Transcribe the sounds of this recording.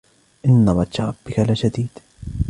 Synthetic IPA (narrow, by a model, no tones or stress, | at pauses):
ʔɪnːaðˤɑʃɑɾˤɑb̥ːɪkalaʃad̪iːd̪̥